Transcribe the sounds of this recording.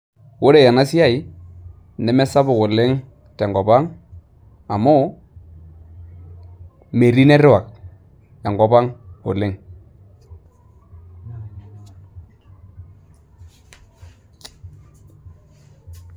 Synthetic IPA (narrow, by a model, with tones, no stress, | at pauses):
wo˦ɾe˨ja˨na˦si˦a˦i˨ | nɛ˨mɛ˦sa˦bʊ˨kʊ˨lɪ˦ŋ | tɛ˨ŋɡɔ˨ba˦ŋ | a˨mʊ˦ | me˨ɾi˦nɛ˦ɾɪ˦wa˨k̚ | a˨ŋɡɔ˨ba˦ŋʊ̰˨lɪ˦ŋ